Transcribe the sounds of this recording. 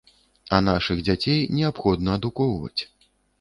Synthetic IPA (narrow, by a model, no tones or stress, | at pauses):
ɐnaʂɨɣd͡zʲat͡sʲejnʲɛapxɔd̪̚nɐːd̪ukɔwvɐ̰t͡sʲ